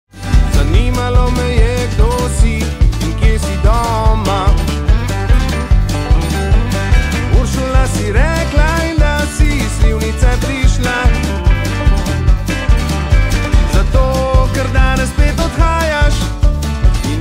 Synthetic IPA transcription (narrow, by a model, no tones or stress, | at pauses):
zaniːmalɔmɛjɛɡd̪osiiŋkjesid̪ɔma | uɾʃulnasiɾɛklaind̪asisliːwnit̪sɛpɾiʃla | zat̪oːkɛɾd̪anɛspeːt̪ɔt̪xaːjaʃ | in